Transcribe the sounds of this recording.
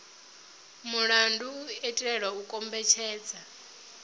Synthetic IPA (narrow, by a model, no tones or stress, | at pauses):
muɺanduɛtʼɺɛɺwaukʼɔmbɛt͡ʃʰɛːd͡za